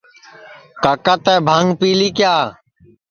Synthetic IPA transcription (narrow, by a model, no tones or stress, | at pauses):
kəkət̪ɛːbʱəŋɡpiːliːkjaː